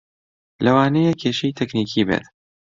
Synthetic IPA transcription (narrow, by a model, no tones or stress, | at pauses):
lɐwaːnejekʰeːʃejt̪ʰɛkniːkʰiːbḛt̪